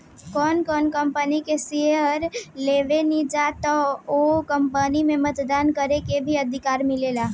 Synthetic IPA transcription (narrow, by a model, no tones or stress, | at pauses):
kɔːnkɔːnkəmpənikesiəɾleːʋenid͡ʒaːt̪ɔokəmpənimẽmət̪d̪aːnkəɾekebʱiəd̪ʱɪkaːɾmɪleːlaː